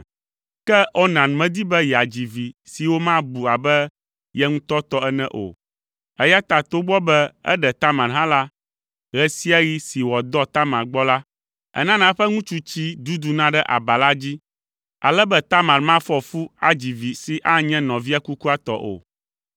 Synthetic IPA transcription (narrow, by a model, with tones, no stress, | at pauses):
kɛ˦o˦nã˨n˨mɛ̃˨d̪i˦bɛ˦jɛ˨a˨d͡ʑi˨vi˨si˨wo˦mã˦bu˨a˨bɛ˦ | jɛ˦ŋũ˦t̪ɔ˦t̪ɔ˦ɛ˦nɛ̰̃˦ʔo̰˨ | ɛ˦ja˦t̪a˨t̪o˦ɡ͡bɔ˦bɛ˦ɛ̰˦ɖɛ˨t̪a˦mã˨nɦã˦la˦ | ɣɛ˦si˦a˦ɣi˦si˨wɔ˨d̪ɔ˦t̪a˦mã˨ɾɡ͡bɔ˦la˦ | ɛ̰˦nã˦nã˦ɸɛ˦ŋũ˦t͡ʃu˦t͡ɕi˦d̪u˦d̪u˨nã˦ɖɛ˦ʔa̰˨ba˨la˦d͡ʑi˦ | a̰˨lɛ˦bɛ˦t̪a˦mã˨ɾmã˦fɔ˦fu˦a˨d͡ʑi˨vi˨si˨ʔa˦ɲɛ̃˦nɔ̃˨vi˦a˦ku˦ku˦a˦˨t̪ɔ̰˦ʔo̰˨